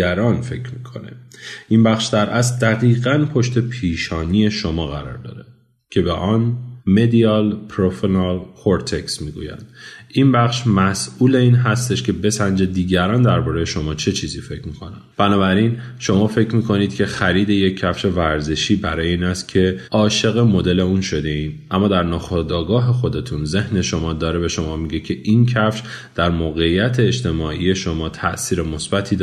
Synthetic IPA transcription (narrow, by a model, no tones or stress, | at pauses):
æɾɒːnfe̞cʰɾmikʰo̞̰ne̞̰ʔimbæχʃd̪æɾʔæst̪̚d̪æɣiːɣænpʰoʃt̪ʰe̞pʰiːʃɒːniːje̞ʃo̞mɒːɣæɾɒ̰ɾd̪ɒ̰ːɾe | cʲʰe̞beʔɒːnme̞d̪iɒlpʰɾofinɑlhʰoɾt̪ʰeksmiːɡṵːjæ̰nd̪inbæχʃmæsʔuːle̞iːnɦæst̪e̞ʃkʰe̞be̞sænd͡ʒe̞d̪iːɟæɾɒːnd̪æɾbɒːɾejeʃo̞mɒːt͡ʃʰe̞t͡ʃʰiːziːfe̞cmikʰo̞nænb̥ænɒːbæɾinʃo̞mɒːfe̞cʰɾmiːkʰo̞niːd̪̥cʲʰe̞xæɾiːd̪e̞je̞cʰːæfʃe̞væɾze̞ʃiːbæɾɒːjeiːnæst̪cʲʰe̞ɒːʃe̞ɣe̞mo̞d̪e̞le̞unʃo̞d̪e̞iːnʔæmːɒːd̪æɾnɒːxod̪ɒːɡɒːɦe̞xo̞d̪e̞t̪ʰunze̞hne̞ʃo̞mɒːd̪ɒːɾebe̞ʃo̞mɒːmiɟe̞cʰe̞ʔincʰæfʃ | d̪̥æɾmoːɣe̞ijːæt̪ʰeːd͡ʒt̪ʰe̞mɒːʔije̞ʃo̞mɒːt̪ʰæ̰ʔsiːɾemo̞sbæt̪ʰiːd̪